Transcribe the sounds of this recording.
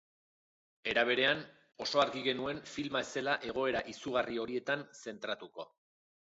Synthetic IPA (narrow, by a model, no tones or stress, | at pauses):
e̞ɾaβ̞e̞ɾe̞an | o̞so̞aɾɣiɣe̞nue̞ɱfilmaese̞laʔe̞ɣ̞o̞e̞ɾaʔisuɣ̞ario̞ɾie̞t̪anse̞nt̪ɾat̪uko̞